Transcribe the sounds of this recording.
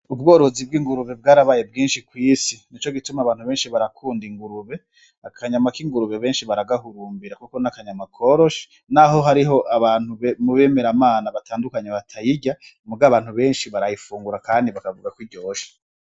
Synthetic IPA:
ub̚ɡo̞ːɾo̞zib̚ɡiːŋɡuɾuβe̞b̚ɡaːɾaβaje̞bɡiːnʃikwiːsinit͡ʃo̞ɡitumaβaːn̥uβeːnʃiβaɾakʰuːndiŋɡuɾuβe̞ | akʰaɲamakiŋɡuɾuβe̞βe̞ːnʃiβaɾaɡahuɾuːmbiɾakukonakaɲamakʰo̞ɾo̞ʃe̥ | naɦo̞ɦaɾiɦo̞ʔaβaːn̥huβemuβe̞ːme̞ɾamaːnaβatʰaːndukaɲeβatʰajiɟa | muɡaβaːn̥huβe̞ːnʃiβaɾajifuːŋɡuɾakaːndiβakavuɡakwiɟo̞ːʃe̥

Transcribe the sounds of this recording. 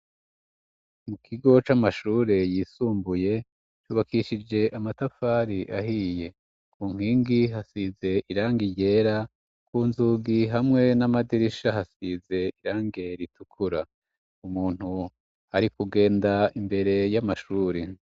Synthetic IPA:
mukʰiɡo̞t͡ʃamaʃuːɾe̞jiːsuːmbuje̞ | t͡ʃuːβakiʃid͡ʒe̞ʔamatafaːɾiʔahije̞ | kuːŋ̥iːŋɡiɦasize̞ʔiɾaːŋɡiɟe̞ɾa | kuːnzuːɡiɦamŋe̞namadiɾiʃaɦasize̞iɾaːŋɡe̞ɾitukʰuɾa | umuːn̥hu | aɾikuɡe̞ːndaimbe̞ɾe̞jamaʃuːɾe

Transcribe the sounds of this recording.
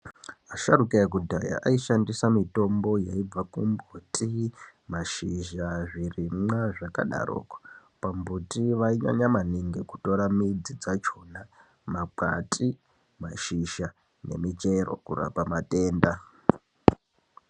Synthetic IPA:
aʃaɾukaak̬udʱaja̰ʔaiʃandisamito̞mbo̞jaib͡vakumbutʰʼimaʃiʒaʐirimaʐaka̰ɗa̰rʔo̰ːkḁ | pambutiʋaiɲa̰ɲamaniŋɡe̞ku̥to̞ɾamid͡zid͡zat͡ʃo̞na | maǃa̰tʼi | maʃiʃa | ne̞̰mit͡ʃe̞ro̞̰kura̰pamate̞ːnda

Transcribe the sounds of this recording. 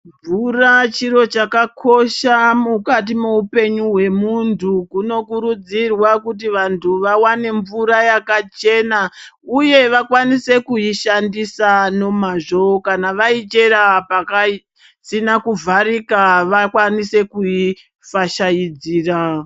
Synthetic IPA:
ɱvurat͡ʃiɾo̞t͡ʃakakʰo̞ʃamukat̬imuupe̞ɲuɦwe̞muntʰukuno̞kuɾud͡zirwakut̬iʋantʰuʋawane̞ɱvuɾajakat͡ʃe̞nauje̞ʋakwanise̞kuiʃandisano̞maʐo̞kanaʋait͡ʃe̞ɾapakai | sinakuvʱaɾikaʋakwanise̞kui | faʃajid͡ziːra

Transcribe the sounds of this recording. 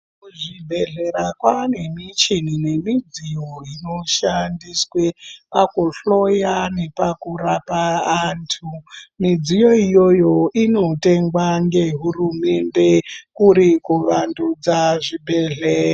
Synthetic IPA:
kuʐibʱe̞ɮe̞ɾakwane̞mit͡ʃinine̞mid͡zijo̞ino̞ʃandiswepakuɬo̞jane̞pakurapaaːntʰumid͡zijo̞ijo̞jo̞ino̞te̞ŋɡwaŋɡe̞ɦurume̞nde̞kuɾikuʋandud͡zaʐibʱe̞ɮera

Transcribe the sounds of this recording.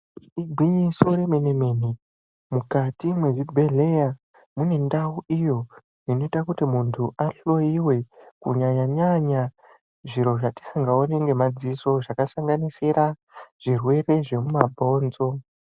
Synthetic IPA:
iɡʱwiɲiso̞ɾemeneme̞ni | mukatimwe̞ʐibʱe̞ɮe̞ja | mune̞ndauʔijo̞ | ino̞itakutimuntʰuʔaɬo̞jiwe̞kuɲaɲaɲaɲa | ʐiɾo̞ʐati̥saŋɡaone̞ŋɡe̞mad͡ziso̞ʐakasaŋɡanisiɾʔa | ʐ̥irwe̞re̞ʐe̞mumabʱo̞ːnzo̞

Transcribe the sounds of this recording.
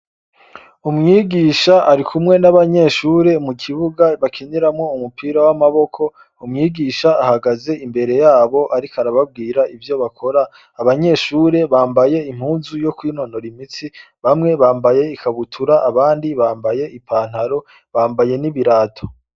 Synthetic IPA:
umŋiːɡiːʃaʔaɾikʰumŋe̞naβaɲe̞ːʃuːɾe̞mukʰiβuɡaβakʰeneɾamŋo̞umupʰiːɾawamaβo̞kʰo̞ | umŋiːɡiːʃaːhaɡaze̞imbe̞ɾe̞jaːβo̞ʔaɾikaɾaβab̚ɡiːɾaivjo̞βakʰo̞ɾaː | βaɲe̞ːʃuːɾe̞βaːmbaje̞im̥huːnzujo̞kwiːno̞no̞ɾimit͡si | βamŋe̞βaːmbaje̞ikʰaβutʰuɾaʔaβaːndiβaːmbaje̞ʔipʰaːn̥haɾo̞ | βaːmbaje̞niβiɾaːtʰo̥

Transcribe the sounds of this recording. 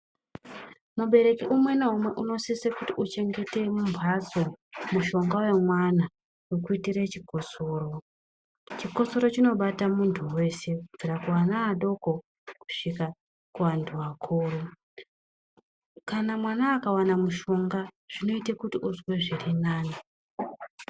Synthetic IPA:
muɓe̞ɾe̞kiʔumwe̞naɦumwe̞ʔuno̞sisekutiut͡ʃe̞ŋɡe̞te̞mumbʱwaso̞muʃo̞ŋɡawe̞mwana | wokuitiɾet͡ʃiko̞soːɾo̞ | t͡ʃiko̞so̞ɾo̞t͡ʃino̞ɓatamuntʰuwe̞se̞kub͡viɾakuwanaaɗo̞ko̞ | ku̥ʂika | kuʋantʰuʋakʰoːro | kanamwanaːkawanamuʃo̞ŋɡa | ʐ̥ino̞itekutiʔuzwe̞ʐirinaːni

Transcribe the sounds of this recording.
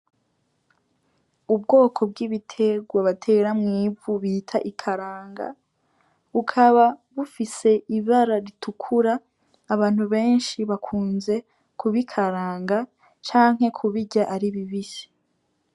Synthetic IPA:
ubɡo̞ːkʰo̞b̚ɡiβitʰe̞ɡwaβatʰe̞ːɾamŋiːvuβitʰaʔikʰaɾaːŋɡa̰ | βukʰaβaβufise̞ʔiβaɾaɾitʰukʰuɾaː | βaːn̥huβe̞ːnʃiβakʰuːnze̞ | kʰuβikʰaɾaːŋɡa | t͡ʃaːŋɦe̞kʰuβiɟaʔaɾiβiβisi̥

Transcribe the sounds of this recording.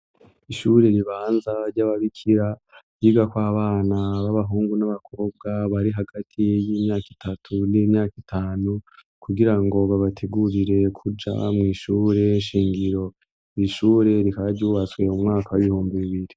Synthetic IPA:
iʃuɾe̞ɾiβaːnzaɾɟaβaβikʰiɾa | jiːɡakwaːβaːnaβaβaɦuːŋɡunaβakʰo̞ːb̚ɡaβaɾiɦaɡ̥atʰijiːmɲaːki̥tʰatʰuniːmɲaːkitʰaːnu | kʰuɡiɾaŋɡo̞βaβatʰeɡuɾiɾe̞kʰud͡ʒa̰mŋiːʃuːɾe̞ʃiːŋɡiɾo̞ | iʃuːɾe̞ɾikaaɾɟuːβat͡swe̞umŋaːkawiβihuːmbiβiβiɾi

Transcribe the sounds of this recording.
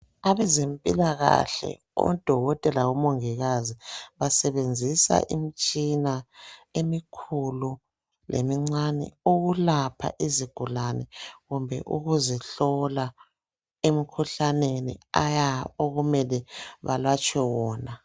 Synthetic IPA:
aβɛzempʼilaɣa̰ɬɛ̰ | ɔ̰d̥ʱɔɣɔtʼɛlawumoŋiɣaziβasɛβend͡zʱisa̰ʔimit͡ʃʼinaemikʰulu | lʔḛmiŋ͡ǀanɛ̰oɣulapʰa̰ʔiziɡ̥ʱulanɛɣumbʱɛ̰ʔuɣuzɛɬɔla | emikʰuɬanenḭajaoɣumɛlɛβa̰lwat͡ʃʼwɛwɔːna

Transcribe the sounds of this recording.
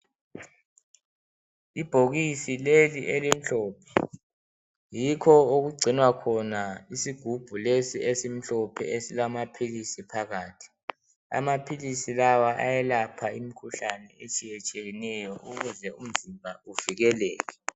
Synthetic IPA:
ib̥ʱoɣisileliʔelim̩ɬɔːpʰɛ̥ | jikʰɔoɣuɡ͡ǀʱinwakʰɔnaisiɡ̥ʱub̥ʱulesiesim̩ɬɔpʰɛ̰esilamapʰilisipʰaɣaːtʰi̥ | a̰mapʰilisilawaʔa̰jɛlapʰaimikʰuɬanɛet͡ʃʼijɛt͡ʃʼeɣinɛjɔʔuɣuzɛum̩zimbʱauv̥iɣɛlɛːɣɛ

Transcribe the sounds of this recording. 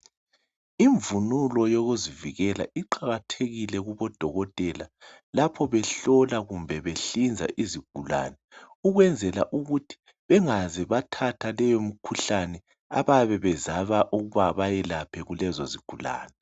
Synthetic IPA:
iɱvunulɔjoɣuziviɣɛla̰ʔiǃaɣatʰeɣilɛɣuβɔd̥ʱɔɣɔtʼɛla | lapʰɔβɛɬɔlaɣumbʱɛβeɬind͡zʱa̰ʔiziɡ̥ʱula̰nɛ | uɣwɛnd͡zʱɛla̰ʔuɣutʰi̥ | βɛŋazɛβatʰatʰalɛjom̩kʰuɬanɛ | a̰βaβɛβɛzaβaʔuɣuβaβajɛlapʰɛɣulɛzɔziɡ̥ʱula̰ːnɛ

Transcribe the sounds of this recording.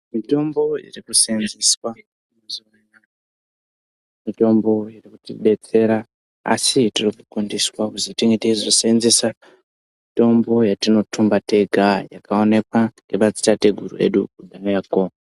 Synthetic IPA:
mito̞mbo̞jḭrikusenziswa | uzuaɲa | mito̞mbo̞jirikutiɗe̞t͡se̞ɾa | a̰sitirikukundiswakuzitiŋɡeteizosenzesa | mito̞mbo̞jatino̞tumbate̞ɡʱajakao̞ne̞kwaŋɡepat͡si̥tate̞ɡʱurṵe̞̰ɗukudʱanako

